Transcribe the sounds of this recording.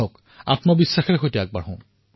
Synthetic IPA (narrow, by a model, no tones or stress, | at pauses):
ɔk | a̰tmɔbisːaxɛɹɛxojtɛaɡ̚baɹɦɔ̃